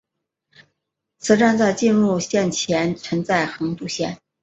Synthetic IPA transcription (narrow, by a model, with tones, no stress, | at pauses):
t͡sʰɹ̩˧˥ʈ͡ʂa˥˧nt͡sa˥˧ɪt͡ɕi˥˧nɻu˥˩ɕjɛ˥˩nt͡ɕʰjɛ˧˥nt͡sʰwə˧˥ŋt͡sa˥˩ɪxɤ˧˥ŋt̪u˥˩ɕjɛ̰˥˩n